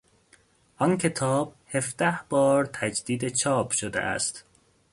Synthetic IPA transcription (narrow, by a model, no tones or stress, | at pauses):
ʔɒncʰet̪ʰɒːb̥̚hefd̪̥æhb̥ɒːɾt̪ʰæd͡ʒd̪iːd̪et͡ʃʰɒːpʰʃod̪ḛʔæ̰st̪